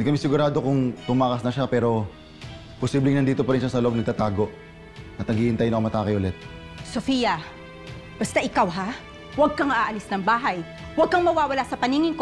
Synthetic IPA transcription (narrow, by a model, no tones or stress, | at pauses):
nd̪ikɐmɛsɪɡʊɾaːd̪okʊŋt̪ʊmaːkɐsnɐʃapɛːɾo̞ | posiːblɪŋnɐnd̪iːt̪opɐɾɪnʃasɐloʔb̚nɐɡ̚t̪ɐt̪aːɡo̞ʔ | ʔɐt̪nɐɡɪhɪnt̪ajnɐkomɐt̪aːkɐjʔʊlɛt̪̚ | sofijɐ | b̥ɐst̪aʔɪkawɦa | wɐɡ̚kɐŋɐaʔɐlɪsnɐŋbaːɦɐj | wɐɡ̚kɐŋmɐwaːwɐlasɐpɐniːŋɪŋko